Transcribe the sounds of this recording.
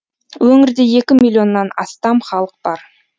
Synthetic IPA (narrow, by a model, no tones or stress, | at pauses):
wɵŋɪɾd̪e̞je̞kʲɪmilʲˠjo̞nːɑnɑ̰st̪ɑmχɑlˠəq̚b̥ɑɾ